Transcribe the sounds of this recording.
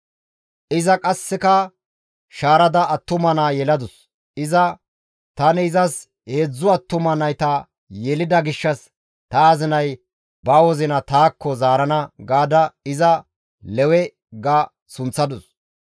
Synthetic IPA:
ʔɪzɐkʼɐsːɪkɐ | ʃaːɾɐd̪ɐɐt̪ːʊmɐnaːjɛlɐd̪ʊs | ɪzɐ | t̪ɐnɪɪzɐs | he̞ːd͡zːʊɐt̪ːʊmɐnɐjt̪ɐ | jɛlɪd̪ɐɡɪʃːɐs | t̪ɐːzɪnɐj | bɐwɔzɪnɐt̪aːkːɔzaːɾɐnɐɡaːd̪ɐɪzɐ | lɛwɛ | ɡa | sʊnt͡sːɐd̪ʊs

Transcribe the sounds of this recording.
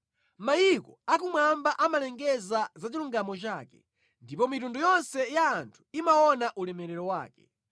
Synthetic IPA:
majikɔakumwambaʔamalɛŋɡɛzazat͡ʃiluŋɡamɔt͡ʃaːkɛ | ndipɔmitundujɔnsɛjaːntʰu̥imaɔnaʔulɛmɛɾɛɾɔwa̰ːkɛ

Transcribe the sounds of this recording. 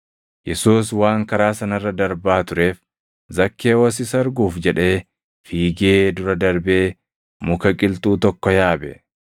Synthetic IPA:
jɛsuːswaːŋkɐɾaːsɐnɐrːɐd̪ɐɾbaːt̪ʊɾe̞ːf | zɐkːe̞ːwɔs̬ɪsɐɾɡuːfd͡ʒɛᶑe̞ː | fiːɡeːd̪ʊɾɐd̪ɐɾbe̞ː | mʊkɐkʼɪlt̪uːt̪ɔkːɔjaːbɛ

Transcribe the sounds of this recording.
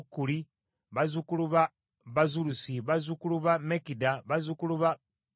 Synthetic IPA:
kːuli | βazukuluβa | βazulusiβazukuluβamekidaβazukuluβa

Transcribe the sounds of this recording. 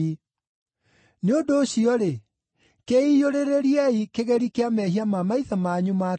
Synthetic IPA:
i | neodoːɕiɔɾe | keijoɾeɾeɾiɛikeɣɛɾikeamɛɦiamamaiðamaɲuma

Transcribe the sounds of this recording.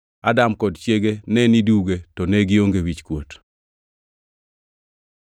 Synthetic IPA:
adamkɔdt͡ʃjeɡenɛniduɡetɔnɛɡɪoŋɡewit͡ʃkwot

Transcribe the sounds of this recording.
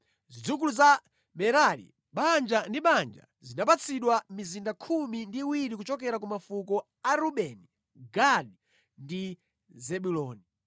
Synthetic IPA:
zid͡zuk̬uluza | mɛɾalḭ | ɓand͡ʒandiɓand͡ʒa̰zinapat͡sʰiɗwamizindakʰumindiwiɾikut͡ʃɔk̬ɛɾak̬umafukɔ | aɾuɓɛni | ɡaɗi | ndi | zɛɓulɔːni

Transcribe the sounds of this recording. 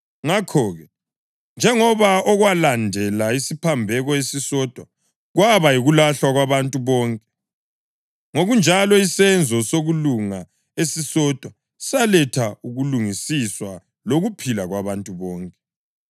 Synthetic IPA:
ŋakʰɔːɣɛ | nd͡ʒʱɛŋɔβaɔɣwalandʱɛlaisipʰambʱɛɣɔesisɔd̥ʱwa | ɣwaβajiɣulaɬwaɣwaβantʼuβɔːŋkʼɛ | ŋoɣund͡ʒʱalɔisɛnd͡zʱɔsoɣuluŋa | esisɔd̥ʱwa | salɛtʰauɣuluŋisiswa | loɣupʰilaɣwaβantʼuβɔːŋkʼɛ

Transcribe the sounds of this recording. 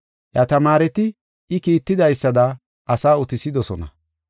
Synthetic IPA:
ʔjɐt̪ɐmaːɾɛt̪ɪ | ʔɪkiːt̪ːɪd̪ɐjsːɐd̪ɐ | ʔɐsaːʊt̪ɪsɪd̪ɔsɔ̰nɐ̰

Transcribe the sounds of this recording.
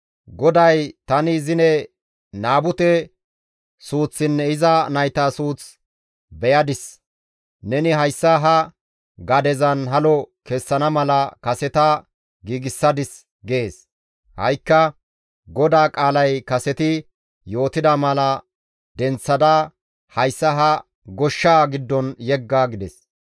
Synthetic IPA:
ɡɔd̪ɐjt̪ɐnɪzɪnɛ | naːbʊt̪ɛ | suːt͡sːɪnːɛɪzɐnɐjt̪asuːt͡s | bɛjɐd̪ɪs | nɛnɪɦɐjsːɐɦɐ | ɡɐd̪ɛzɐnɦɐlɔkɛsːɐnɐmɐlɐkɐsɛt̪ɐ | ɡiːɡɪsːɐd̪ɪs | ɡe̞ːs | hɐ̰jkːɐ | ɡɔd̪aːkʼaːlɐjkɐsɛt̪ɪ | jo̞ːt̪ɪd̪ɐmɐlɐ | d̪ɛnt͡sːɐd̪ɐ | hɐjsːɐɦɐ | ɡɔʃːaːɡɪd̪ːɔnjɛɡːaːɡɪd̪ɛs

